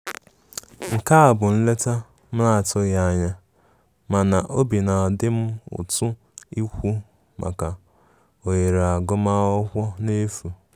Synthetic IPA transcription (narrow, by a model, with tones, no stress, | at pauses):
ŋ̩˨ka˦a˨bʊ˨n̩˦le˦ta˦ | m̩˦la˦˨tʊ˦ɣa˦˨ɲa˦ | ma˨na˨ʔo˦bi˨na˨dɪ˦m̩˦ʊ̰˨tʊ˦ | i˦kʷu˦ | mʔa̰˨ka˨ | o˨je˨ɾa˨ɡʊ˦ma˦ɔ˦kʷɔ˦ne˦fu˨